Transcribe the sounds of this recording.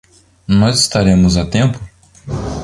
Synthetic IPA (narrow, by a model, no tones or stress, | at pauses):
nɔzɪst̪aɾẽmʊzat̪ẽmpʊ